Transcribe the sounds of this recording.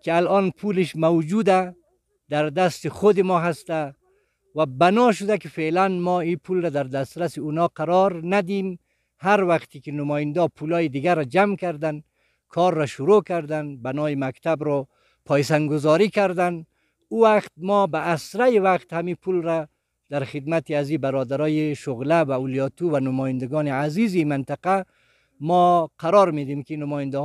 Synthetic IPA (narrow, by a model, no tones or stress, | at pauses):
kɪalɔnpʰulɪʃmawd͡ʒud̪a | d̪aɾd̪ast̪ɪχʊd̪ɪmɔɦast̪a | wabanɔʃ̬ʊd̪akɪfelanmɔipʰulɾad̪aɾd̪ast̪ɾasiunɔqaɾɔɾnad̪im | haɾwaqt̪ikɪnʊmɔjɪnd̪ɔpʰulɔːjid̪ɪɡaɾad͡ʒamkaɾd̪an | kʰɔɾːaʃʊɾokaɾd̪anbanɔimakt̪abɾɔ | pʰɔjsaŋɡʊzɔɾikaɾd̪an | uwaqt̪̚mɔbaːsɾajiwaqt̪hamipʰulɾa | d̪̥aɾxɪd̪mat̪iazibaɾɔd̪aɾɔjeʃʊɣlawaulijɔt̪uwanʊmɔjɪnd̪aɡɔniazizimɪnt̪ɪqa | mɔqʰaɾɔɾmed̪imkinʊmɔːjɪnd̪a